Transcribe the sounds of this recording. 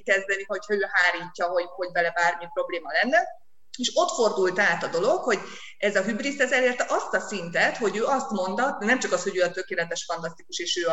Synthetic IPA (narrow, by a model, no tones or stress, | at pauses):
kɛzd̪ɛniho̞chɒøːɦaːɾiːcːɒɦo̞ho̞ɟvɛlɛbaːrmipro̞bleːmɒlɛnːɛ | eːʃo̞t̪fo̞rd̪ult̪aːt̪ɒd̪o̞lo̞kho̞ɟ | ɛzɒɦybrisɛzɛleːrt̪ɛʔɒst̪ɒsint̪ɛt̪ho̞ɟøːɒst̪mo̞nd̪ɒnɛmt͡ʃɒkɒsho̞ɟøːɒt̪økeːlɛt̪ɛʃfɒnt̪ɒst̪ikuʃeːʃøːɒ